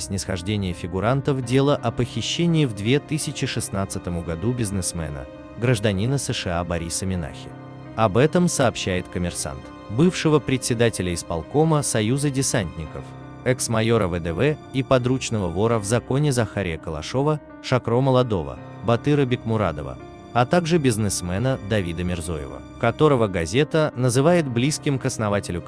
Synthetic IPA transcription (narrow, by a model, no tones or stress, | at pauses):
sʲnʲɪsxɐʐdʲenʲɪjəfʲɪɡʊɾant̪əfdʲe̞lˠəʔɐpəxʲɪɕːenʲɪːvd̪vʲet̪ɨsʲɪt͡ɕɪʂɨsnat̪sɨt̪əmʊɡɐd̪ubʲɪznɨsmɛ̰nə̰ | ɡɾəʐd̪ɐnʲinəsɛʂɨabɐɾʲisəmʲɪna̰xʲɪ̰ | ɐbɛt̪əmsɐːpɕːæjɪt̪kəmʲɪrsa̰nt̪ | bɨfʂɨvəpɾʲɪtʲsʲɪd̪atʲɪlʲəɪspɐ̰lˠko̞məsɐjuzədʲɪsanʲt̪ʲnʲɪkəf | ɛksmɐjo̞ɾəvəd̪ɛvɛipɐd̪ɾut͡ɕnəvəvo̞ɾəvzɐko̞nʲɪzɐxaɾʲɪ̰jəkəlˠɐ̰ʂo̞və | ʂɐkɾo̞məlˠɐd̪o̞və̰ | bɐt̪ɨɾəbʲɪkmʊɾa̰d̪ə̰və̰ | ɐt̪aɡʐɨbʲɪznɨsmɛnəd̪ɐvʲid̪əmʲɪrzo̞̰jɪ̰və̰ | kɐt̪o̞ɾəvəɡɐzʲe̞t̪ənəzɨvajɪt̪̚blʲiskʲɪmkɐsnɐvatʲɪlʲʊ